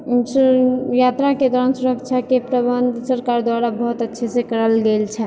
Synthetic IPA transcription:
sjat̪ɾaked̪ɾansuɾəkt͡ʃʰakepɾəbənd̪ʱsəɾkaɾd̪waɾabəɦut̪ətːʃʰesẽkəɾəlɡelt͡ʃʰɛ

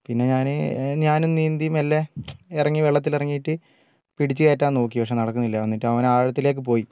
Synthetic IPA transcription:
pinːe̞ɲaːnɨ̰ɲaːnumniːnd̪ijumelːeirɐŋːiʋeɭːɐt̪ːilirɐŋːijiʈːɨ | piɽit͡ɕːɨkeːtːaːnno̞ːkːipɐkʂenɐɽɐkːunːilːɐonːiʈːɨɐʋɐnaːɻɐt̪ːile̞ːk̬ːɨp̬o̞ːji

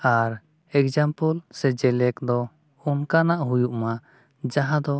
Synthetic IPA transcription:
aɾ | ɛkd͡ʒampɔlsɛd͡ʒɛlɛkd̪ɔ | unkanaʔɦujuʔma | d͡ʒaɦãd̪ɔ

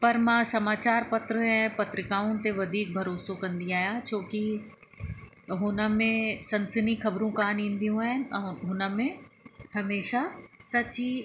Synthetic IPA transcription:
pɐɾmãsɐmaːt͡ʃaːɾpɐt̪ɾəɦɛ̃pɐt̪ɾɪkaːõt̪eʋɐd̪ʱiːk̚bʱɐɾoːsokɐ̃nd̪iaːjat͡ʃõːki | ɦʊnamẽsɐ̃nsɪnixʰɐbɾõkanĩːnd̪ʱijõɦɛ̃ːɦʊnamẽhɐmeːʃasɐt͡ʃi

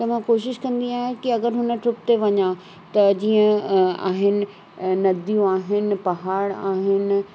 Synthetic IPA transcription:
t̪ɐmãkoːʃɪʃkɐ̃nd̪iaːɦekiɐɡəɾɦʊnə̆ʈɾʊp̚t̪eʋɐɲã | t̪ɐd͡ʑiːə̃a̰ːɦɪnɪ̆ | nɐd̪ijũaːɦɪnɪ̆pɐɦaːɽaːɦɪnɪ̆

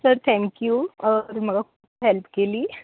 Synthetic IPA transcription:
səɾt̪ʰɛ̃ŋkjuɔɾm̤əɡakʰupɦelpkeliː

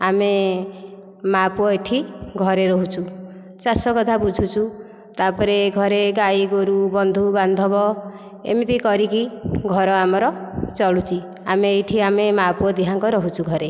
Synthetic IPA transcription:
ame | mapuɔeʈʰiɡʱɔɾeɾɔɦut͡ʃʰu | t͡ʃasɔkɔt̪ʰapud͡ʒʰʱut͡ʃʰu | t̪apɔɾeɡʱɔɾeɡajɡoɾubɔnd̪ʱuband̪ʱɔbɔ | ḛmit̪ikɔɾikiɡʱɔɾɔamɔɾɔt͡ʃɔɭut͡ʃi | ameːʈʰiamemapuɔd̪iɦaŋkɔɾɔɦut͡ʃʰuɡʱɔɾe

